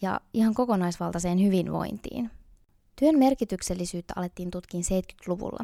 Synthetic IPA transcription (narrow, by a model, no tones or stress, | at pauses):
jɑ̰ʔihɑŋko̞ko̞nɑjsʋɑlt̪ɑse̞ːnhyʋinʋo̞̰jnt̪ḭːn | t̪yønme̞rkit̪ykse̞lːisyːt̪ːæɑ̰le̞t̪ːiːnt̪ut̪k̟iːnse̞jt̪ky̥t̪luʋṵlːʔɑ̰